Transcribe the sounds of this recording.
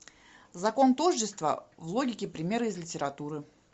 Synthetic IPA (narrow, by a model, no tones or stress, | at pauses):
zɐko̞nt̪oʐːɪst̪və̰vlˠo̞ɡʲɪkʲɪpɾʲɪmʲe̞ɾɨɪzlʲɪtʲɪɾɐt̪uɾɨ